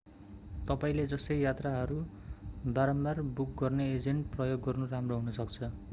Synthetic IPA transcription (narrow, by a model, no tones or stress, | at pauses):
t̪ʌpaĩled͡zʌsʌjjat̪raɦʌɾu | baɾʌnbarbuk̚ɡʌrneed͡zeɳʈprʌjoɡːʌrnuramroɦunʌsʌk̚t͡sʰʌ